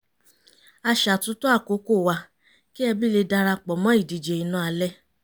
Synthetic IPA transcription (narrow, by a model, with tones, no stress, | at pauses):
a˧ʃa˨tũ˨˦to˦a˦˨ko˨˦ko˦˨wa˧ | ki˦ɛ˧bi˦le˧da˧ɾa˧k͡pɔ˨mɔ̃˦i˦˨di˨d͡ʒe˨i˨nũ˨˦a˧lɛ˦